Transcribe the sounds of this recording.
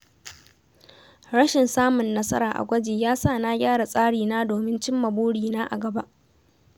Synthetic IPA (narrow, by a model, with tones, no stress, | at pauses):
ɽɐ˦ʃɪ˨nsaː˦mʊ˨nːɐ˦sɐ˦ɾaː˨ʔa̰˨ɡʷɐ˦d͡ʒeː˨jaː˦saː˦˨naː˦ɡʲaː˦ɽa˨sʼaː˦ɽiː˨naː˦doː˨mɪ˦nt͡ʃɪ˦mːɐ˨boː˦ɽiː˨naː˦ʔa˨ɡɐ˨ba˦ʔ